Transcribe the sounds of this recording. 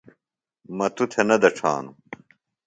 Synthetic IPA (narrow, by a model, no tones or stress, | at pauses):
mɐt̪ut̪ʰenɐd̪ɐʈ͡ʂʰa̰ːnu